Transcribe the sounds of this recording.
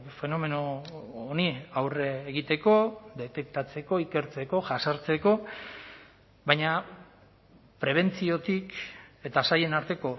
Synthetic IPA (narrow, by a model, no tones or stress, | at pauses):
fe̞no̞me̞noːniawreːɣ̞it̪e̞ko̞d̪e̞t̪e̞k̚t̪at͡se̞ko̞ike̞ɾt͡se̞ko̞ʝasaɾt͡se̞ko̞ | βajɲa | pɾe̞β̞e̞nt͡sio̞t̪ike̞t̪asaje̞naɾt̪e̞ko̞